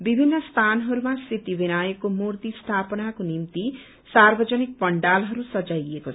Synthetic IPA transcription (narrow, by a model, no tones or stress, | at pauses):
bibʱinːʌst̪ʰanɦʌɾumasit̪ibenajekomurt̪ist̪ʰapʌnakonimt̪i | sarbʌd͡zʌnik̚pʌɳɖalɦʌɾusʌd͡zajekot͡sʰ